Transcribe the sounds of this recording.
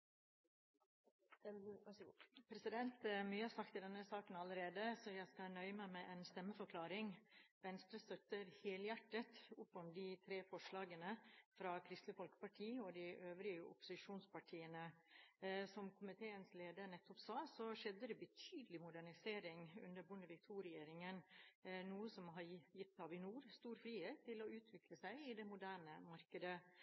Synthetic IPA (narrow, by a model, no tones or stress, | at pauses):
pʰɾɛsɪd̪ɛnt̪myːəhɑɾsɑk̚t̪ʰːɪld̪ɛnːəsɑːkənɑləɾeːd̪əsɔjæɪskɑnœʏəmæɪmæɪʔɛnst̪ɛmːəfɔɾkʰlɑːɾɪŋʋɛnst̪ɾəst̪œt̪əɾheːljæʈːət̪ʊpːɔmd̪ɪt̪ʰɾeːfɔʂɭɑːɡənəfɾɑːkʰɾɪst̪ləfɔlkə̥pɑʈʰiːɔd̪ɪʔøːʋɾɪəʔʊ̰pːʊ̥sɪʂuːnspɑʈʰiːənə | sɔmkʰʊmɪt̪ʰeːənsleːd̪əɾnɛt̪ːɔpsɑːsɔʂɛd̪ːəd̪ɛbət̪ʰyːd̪əlɪmʊd̪æɳɪseːɾɪŋʉ̰nd̪əɾbʊnd̪əʋɪk̚t̪ʰuːɾɛjeːɾɪŋənnuːəsɔmɦɑɾjɪt̪ːɑʋɪnuːɾst̪uːɾfɾiːheːt̪ʰːɪlɔʉːt̪ʰʋɪkləsæɪɪd̪ɛmʊd̪æːɳəmɑɾkəd̪ə